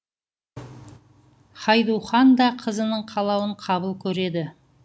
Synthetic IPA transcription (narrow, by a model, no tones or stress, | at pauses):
χɑjd̪uwχɑnd̪ɑqʰəzənəɴqʰɑlˠɑwəɴqʰɑβəlˠkʲʰɵɾe̞d̪ɪ